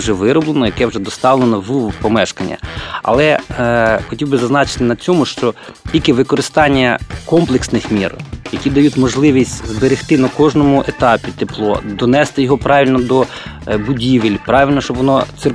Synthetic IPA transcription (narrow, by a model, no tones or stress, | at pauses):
ʒɛʋɪɾɔblˠenɔjɐkɛwʒɛd̪ɔst̪ɑʋlˠenɔʋupɔmɛʃkɐnʲːɐ̰ɐ̰lˠɛ | xɔtʲiwbɪzɐznɑt͡ʃɪ̥t̪ɪnɐt͡sʲɔmʊʃt͡ʃɔtʲilʲkɪʋɪkɔɾɪst̪ɑnʲːɐkɔmplˠeksnɪxmʲirjɐkʲid̪ɐjutʲmɔʒlˠɪʋʲisʲtʲzbeɾɪxt̪ɪnɐkɔʒnɔmʊʔet̪ɑpʲit̪eplˠɔ̰d̪ɔnɛst̪ɪjɔɦɔpɾɑʋʲilʲnɔd̪ɔ | bʊdʲiʋɪlʲpɾɑʋʲilʲnɔʃt͡ʃɔbʋɔnɔt̪sɪr